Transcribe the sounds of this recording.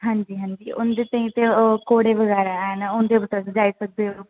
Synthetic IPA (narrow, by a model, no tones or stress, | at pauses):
ɦãːɲd͡ʒiːɦãːɲd͡ʒiːʊ̰nd̪eːt̪aːĩt̪ekoːɽeʋəɣɛːɾanaʊ̃nd̪ebət̪əsd͡ʒaːisək̚d̪eɦo